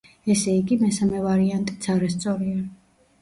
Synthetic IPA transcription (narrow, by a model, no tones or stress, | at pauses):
ɛsɛiɡimɛsamɛvaɾiant̪ʼit̪sʰaɾast̪sʼɔɾia